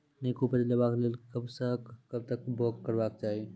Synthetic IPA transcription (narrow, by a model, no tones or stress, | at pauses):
neːkopəɾilɐbaːklelkɐbsɐkːɐb̚t̪ɐk̚bɔːkːɐɾbaːk̚t͡ʃaːɦie